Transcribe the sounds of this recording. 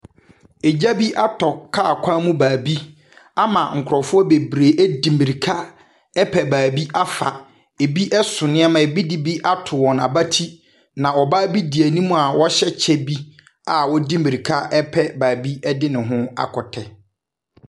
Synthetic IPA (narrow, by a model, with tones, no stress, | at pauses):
e˨d͡ʑa˦bi˦ʔa˦tʰɔ˨kʰa˦a˨kʷʰã˦mũ˦baː˨bi˦ | a˦mã̰˨ŋ̩˨kʰʊ˨ɾɔ˨fʊ˦ɔ˦be˨bɾe˨ʔæ˦dĩ˨mi˨ɾi˨kʰa˦ | ɛ˦pʰɛ˨baː˨bi˦ʔa˦fa˨ | e˨bi˦ʔɛ˦sʊ˨nɪ̃˦a˦mã˨e˨bi˦di˨bi˦ʔa˦tʰʊ˨wɔ̃˨na˨ba˦tʰi˦ | nã˨ɔ˨baː˦bi˦di˨æ˨nĩ˦mũ˦˨a˨wɔ˦ɕɛ˦t͡ɕʰɛ˦bi˦ | a˨wɔ˦dĩ˦mi˨ɾi˨kʰa˦ʔɛ˦pʰɛ˦baː˨bi˦ɛ˦dɪ˦nɪ̃˨ɦʊ̃˦a̰˨kʰɔ˨tʰɛ˨